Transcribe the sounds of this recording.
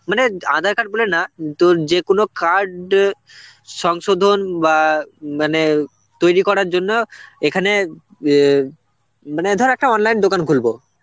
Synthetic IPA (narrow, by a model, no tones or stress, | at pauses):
maneã̰d̪ʱaɾkaɖ̚bolenat̪od͡ʑekonokaɾɖ | ʃɔŋʃod̪ʱonbamane | t̪ojɾikɔɾaɾd͡ʑonːoekʰane | maned̪ʱɔɾɛk̚ʈaɔnlajnd̪okankʰulbo